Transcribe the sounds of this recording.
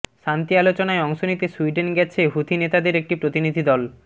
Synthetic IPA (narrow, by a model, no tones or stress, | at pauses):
ʃant̪ialot͡ɕonaeɔŋʃonit̪esuiɖenɡɛt͡ɕʰeɦut̪ʰinet̪ad̪eɾek̚ʈipɾot̪inid̪ʱid̪ɔl